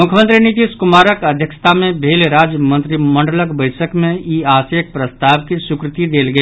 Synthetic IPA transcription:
mʊkʰjəmə̃nt̪ɾinɪt̪̬iːskʊmaːɾəkɐd̪ʱjəkʃə̥t̪ʰamẽbʱeːlɾaːd͡ʒjəmə̃nt̪ɾimɐ̃ɳɖələkbəɪsəkmẽiaːsək̚pɾəst̪aːʋkisʊkɾɪt̪id̪eːlɡəi

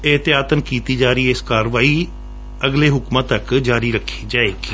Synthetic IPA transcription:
ɪɦt̪ɪjaːt̪ənkiːt̪iːd͡ʒaːɾəiːɪskaːɾʋaːiː | əɡleːɦʊkmãːt̪əkd͡ʒaːɾiːɾəkʰːi̥ːd͡ʒaːeːɡiː

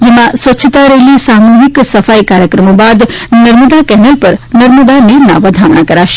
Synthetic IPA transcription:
d͡ʒemãsʋət͡ʃʰt̪aɾelisamuɦiksəfaikaɾjəkɾəmobad̪nəɾməd̪akɛnəlpəɾnəɾməd̪aniɾna̰ʋəd̪ʱaʋɳakəɾaʃe̥

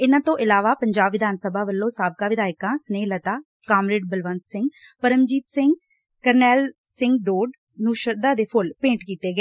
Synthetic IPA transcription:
ɪnãːt̪õːʔɪlaːʋaːpəɲd͡ʒaːbʋɪd̪ʱaːnsəbʱaːʋəlːõːsaːb̚kaːʋɪd̪aːjkãːsneːlət̪aː | kaːmɾeːɖbəlʋə̃nt̪sɪ̃ŋɡ | pəɾəmd͡ʒiːt̪sɪ̃ŋɡ | kəɾnɛːl | sɪ̃ŋɡɖoːɖ | nũːʃəɾd̪aːd̪eːpʰʊlpẽːɳʈkiːt̪eːɡəeː

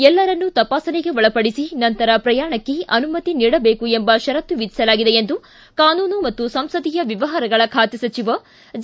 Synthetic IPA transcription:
ɛlːɐɾɐnːut̪ɐpaːsɐneɡe̞ʋɔɭɐpɐɽisinɐnt̪ɐɾɐpɾɐjaːɐɳɐkːe̞ɐnumɐt̪iniːɽɐbeːkue̞mbɐʃɐɾɐt̪ːuʋid̪ʱi̥sɐlaːɡid̪e̞end̪u | kaːnuːnumɐt̪ːusɐmsɐd̪ijɐʋiʋɐɦɐɾɐɡɐɭɐkʰaːt̪esɐt͡ʃiʋɐ | d͡ʒ

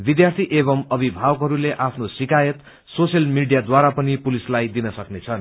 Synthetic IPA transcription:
bid̪jart̪ʰiʔeβʌmʌbʱibʱawʌkɦʌɾuleʔapʰnosikajʌt̪ | sosjʌlmiɖijad̪waɾapʌnipulislajd̪inʌsʌknet͡sʰʌn

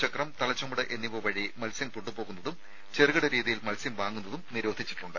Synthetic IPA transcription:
t͡ɕɐkrɐmt̪ɐlɐt͡ɕːɐmuɽɨʔe̞nːiʋoʋɐɻimɐlsjɐmpuɳːupoːɣunːɐðum | t͡ɕerɣɐɽɐɾiːðijilmɐlsjɐmʋaːŋːunːɐðumniɾo̞ːd̪ʱit͡ɕːi̥ʈːuɳɖɨ

